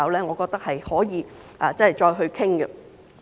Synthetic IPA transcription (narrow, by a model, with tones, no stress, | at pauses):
ɐ˨˧wlɛː˥ŋɔː˨˧kɔː˧k̚t̪k̚hɐ˨jhɔː˨˥jiː˨˧ | ʔaː˨˧t͡sɐ˥hɐ˨˩jt͡ʃɔː˧jɦɵ˧ɥkʰɪ˥ŋɡə̰˧